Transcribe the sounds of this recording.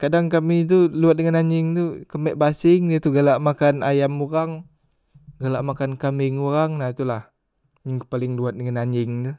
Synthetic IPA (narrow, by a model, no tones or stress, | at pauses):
kadaŋkamit̪̬uluat̪̚dəŋanaɲɪŋt̪ukəmɛʔ̚basɪŋdiat̪uɡalaʔmakanajamuɾaŋ | ɡalaʔmakankamɪŋuɾaŋnat̪ulah | ɲəŋkpalɪŋluat̪̚dəŋanaɲɪŋt̪u